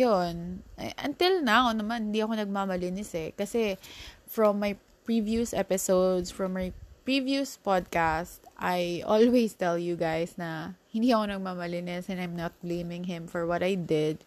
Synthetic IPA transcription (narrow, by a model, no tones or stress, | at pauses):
jonʔɛ̰ʔɐ̰nt̪ɪlnawnɐmanhɪnd̪iɐko̞nɐɡ̚mamɐlɪnɪsɛkɐsɛfɹɔmːaj | pɹivjusʔɛpɪsowd̪sfɹɐmːajpɹivjuspad̪̚kast̪ʔajʔo̰lwest̪ɛljuɡajsnɐhɪ̃nd̪iʔɐko̞nɐɡ̚mamɐlɪnɪsɛ̃najmnɐt̪̚blejmɪ̃ŋɦɪ̃mfɔɹwɐt̪ajd̪ɪd̪̚